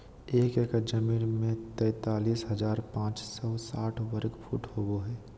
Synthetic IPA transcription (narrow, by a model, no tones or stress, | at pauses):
eːkekd͡ʒəmiːnmẽt̪ɛːt̪aːliːsɦəd͡ʒaːɾpãːt͡ʃsəsaːʈʰwəɾəkpʰṵːʈʰɦoːɡoɦɛː